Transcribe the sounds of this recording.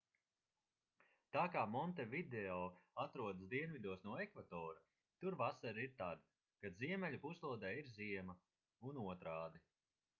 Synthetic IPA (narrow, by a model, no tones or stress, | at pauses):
t̪aːkaːmɔnt̪ɛvid̪ɛɔːat̪ɾuɔd̪asd̪iɛnvid̪uɔsnuɔɛkvat̪ɔːɾa | t̪uɾvasaɾiɾt̪ad̪ | kaziɛmɛʎʲupuslˠuɔd̪ɛːiɾziɛmɐ | unuɔt̪ɾaːd̪i